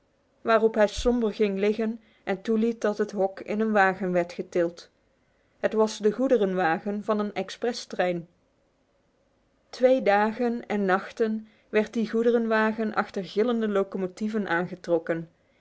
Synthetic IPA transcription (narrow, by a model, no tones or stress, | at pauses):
ʋaːrɔpɦɛjsɔmbəɹɣɪŋlɪχən | ʔɛntulit̚dɑtɦətɦɔkɪ̰nənʋaːɣənʋɛɹtχətɪlˠt | ɦətʋɑsdəɣudərənʋaːɣənvɑnənɛksprɛstrɛjn | tʋejdaːɣənɛnːɑχtən | ʋɛɹt̚diɣudərənʋaːɣənʔɑ̰xtəɹɣɪləndəlowkomotivənʔaːnχətrɔkən